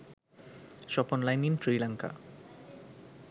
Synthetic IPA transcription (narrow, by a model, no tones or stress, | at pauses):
ʃɔponlajnintɾilaŋka̰